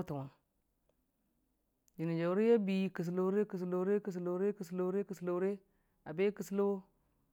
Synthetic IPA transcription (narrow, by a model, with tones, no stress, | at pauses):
tu˨wa˨ | d͡ʒi˨ni˨d͡ʒa˨wɾe˦ja˦bi˨ki˨s̬lo˨˦ɾe˦ki˨s̬lo˨ɾe˦ki˨s̬lo˨˦ɾe˦ki˨slo˦ɾe˦ki˨slo˨˦ɾe˦ | a˨be˦ki˨slo˦